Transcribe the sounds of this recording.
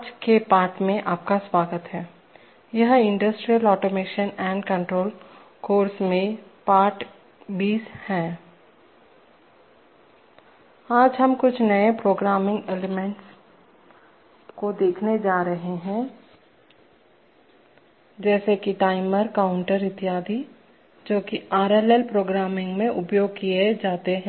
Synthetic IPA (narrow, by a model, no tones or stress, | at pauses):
aːd͡ʒkepaːɾʈmẽʔaːp̚kaswaːɡət̪ɦɛː | jɐɦɪ̃ɳɖəsʈɾijəlɔːʈoːmeːʃənɛ̃ːɳɖkɐ̃ɳʈɾoːl | koːɾsmẽpaːɾʈ | biːshɛ̃ː | aːd͡ʒɦɐmkʊt͡ʃʰnɐepɾoːɡɾaːmɪ̃ŋɡeːlemẽɳʈs | kod̪eːkʰned͡ʒaːɾəɦeɦɛ̃ː | d͡ʒɛːsekiʈaːɪməɾkaʊ̃ɳʈəɾɪt̪ɪjaːd̪ʱi | d͡ʒoːkiaːɾelelpɾoːɡɾaːmɪ̃ŋɡmẽʔʊpjoːɡ̚kijed͡ʒaːt̪eɦɛ̃